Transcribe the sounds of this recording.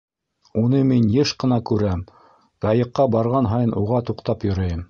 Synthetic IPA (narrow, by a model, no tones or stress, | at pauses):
unɤminjɘʃqɤ̆nɑkʉɾæm | ɡ̪ɑjɤ̆qːɑbɑɾʁɑnɦɑjɤnʔuʁɑt̪uqt̪ɑpjŏɾɤ̆jɤm